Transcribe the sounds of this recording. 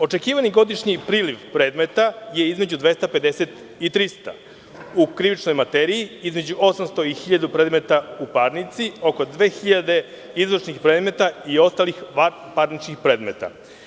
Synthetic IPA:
o̞t͡ʃe̞kiːʋaniɡo̞d̪iʃɲipɾiːliʋpɾe̞ːd̪me̞t̪aje̞izme̞d͡ʑud̪ʋe̞st̪ape̞d̪e̞set̪ | it̪ɾist̪a̰ | ukɾiʋit͡ʃno̞jmat̪eɾiiizme̞d͡ʑuo̞samst̪o̞ixiʎad̪upɾe̞ːd̪me̞t̪aupaɾnit̪sio̞ko̞d̪ʋe̞ːxiʎad̪e̞ | izɾoʃnixpɾe̞ːd̪me̞t̪aio̞st̪alixa | paɾnit͡ʃkixpɾe̞ːd̪me̞t̪a̰

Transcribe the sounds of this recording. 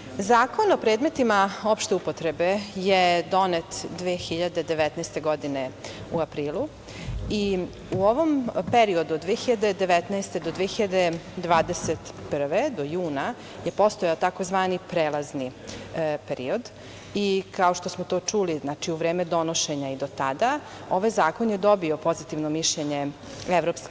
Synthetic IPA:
zaːko̞nopɾeːd̪me̞t̪imao̞pʃt̪eupo̞t̪ɾebejed̪o̞net̪d̪ʋeːxiʎad̪e̞d̪eʋɛt̪nɛst̪eɡo̞d̪ineuapɾiːlˠu | i | uoʋo̞mpeɾio̞d̪uod̪ʋeːxiʎad̪ed̪eʋet̪nɛst̪ed̪od̪ʋeːxiʎad̪ed̪ʋaːd̪eset̪pr̩ʋed̪ojuːna | jepo̞st̪ojaot̪akozʋaːnipɾeːlazni | peɾio̞d̪ | ikaoʃt̪o̞smot̪oːt͡ʂuliznaːt͡ʃiuʋɾeːmed̪o̞noʃe̞ɲaid̪o̞t̪ad̪a | o̞ʋajzaːko̞njed̪o̞bio̞po̞zit̪iʋnomiʃʎeɲe | eʋɾopsk

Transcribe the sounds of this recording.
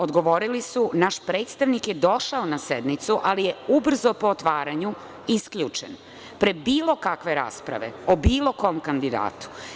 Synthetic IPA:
od̪ɡo̞ʋoɾilisunaʃpɾe̞ːt̪st̪aʋnikjed̪o̞ʃaonased̪nit̪suʔalijeubr̩zopo̞ːt̪ʋaːɾaɲu | iskʎut͡ʂḛn | pɾebiːlo̞kakʋe̞ɾa̰ːspɾa̰ʋe̞̰obiːlˠo̞ko̞omkand̪id̪a̰ːt̪u̥

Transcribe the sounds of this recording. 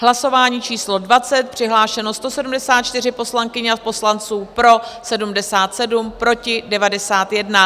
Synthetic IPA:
ɦlaso̞vaːɲiːt͡ʃiːslo̞dvat͡sɛt̪̚pr̝̥ɪɦlaːʃɛno̞st̪o̞sɛdumdɛsaːt̪̚t͡ʃt̪ɪr̝ɪpo̞slaŋkɪɲɛapo̞slant͡suːpɾo̞sɛdumdɛsaːt̪sɛdumpɾo̞cɪdɛvadɛsaːt̪jɛdna

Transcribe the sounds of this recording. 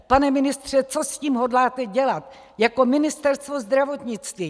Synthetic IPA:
panɛmɪnɪst̪r̝̥ɛt͡so̞sciːmɦodlaːt̪ɛɟɛlat̪ | jako̞mɪnɪst̪ɛɾst̪vo̞zd̪ɾavo̞t̪ɲɪt͡st̪viː

